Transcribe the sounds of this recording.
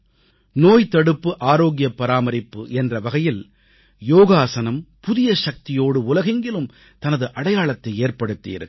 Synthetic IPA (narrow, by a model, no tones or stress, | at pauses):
noːjt̪ɐɽɯpːɯʔaːɾoːɣɪjɐpːɐɾaːmɐɾɪpːɯʔɛndrɐʋɐɣɐjɪl | joːɣaːsɐnɐmpʊðɪjɐʃɐk̚t̪ɪjoːɽɯʊlɐɣɪŋɡɪɭɯm | t̪ɐnɐðɯʔɐɽɐjaːɭɐt̪ːɐɪeːrpɐɽɯt̪ːḭːɾɯ